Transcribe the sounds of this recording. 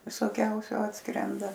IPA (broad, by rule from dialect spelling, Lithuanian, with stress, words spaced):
ʋʲɪsoːˈkʲɛʊsʲʊ ˈɑːtskrʲɛndɐ